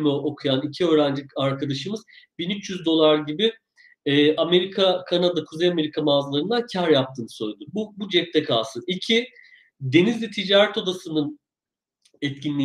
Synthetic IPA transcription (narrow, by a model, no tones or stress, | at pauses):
mɛokʰujanicʰiø̞ːɾænd͡ʒilicaɾkʰad̪aʃɯmɯz | binyt͡ʃjyzd̪o̞lˠaɾɟibi | ɛːʔame̞ɾikʰakʰanad̪akʰuzejame̞ɾikʰamaːzlˠaɾɯnd̪ancʰæɾjap̚t̪ʰɯːnɯ̥sø̞jlʲed̪ububud͡ʒɛp̚t̪ɛkʰaːsɯicʰi | d̪e̞nizlʲɛt̪ʰid͡ʒaːɾɛt̪o̞d̪asɯnɯn | ɛt̪cʰinlʲiː